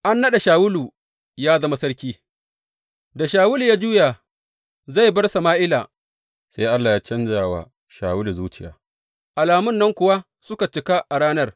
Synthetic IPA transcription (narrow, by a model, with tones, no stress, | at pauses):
ʔa˦nːɐ˦ɗa˨ʃaː˨wʊ˦luː˨ | jaː˦zɐ˦ma˦sɐ˦rkʲiː˦ | da˨ʃaː˨wʊ˦lu˨jaː˦d͡ʒuː˦ja˨ | za˦˨jbɐ˦rsa˨maː˦ʔɪ˦laː˨ | se˦jʔa˦lːaː˨jaː˦t͡ʃɐ˦nd͡ʒaː˨wa̰˨ | ʃa̰ː˨wʊ˦lu˨zuː˦t͡ʃɪ˦ja̰ː˨ | ʔa˨laː˨mʊ˦˨nːɐ˦ŋkʷʊ˨wa˦ | sʊ˦ka˨t͡ʃɪ˨ka˦ʔa˨ɽaː˦nɐ˦r